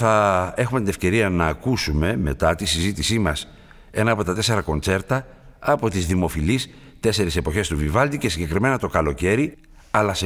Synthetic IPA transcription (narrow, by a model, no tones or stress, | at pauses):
θɐe̞xume̞t̪ine̞fce̞ɾiɐnɐːkusume̞me̞̰t̪ɐt̪isizit̪isimɐs | e̞nɐːpo̞t̪ɐt̪e̞se̞ɾɐko̞nt͡se̞ɾt̪ɐː | po̞t̪izðimo̞filis | t̪e̞se̞ɾise̞po̞çe̞st̪uvivɐld̪icesiɲɟe̞kɾime̞nɐt̪o̞kɐlo̞ce̞ɾi | ɐlɐse